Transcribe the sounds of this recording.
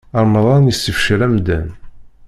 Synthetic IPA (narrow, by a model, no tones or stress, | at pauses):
əɾˤmðˤɑnəsːəfʃɾæmd̪æ̰n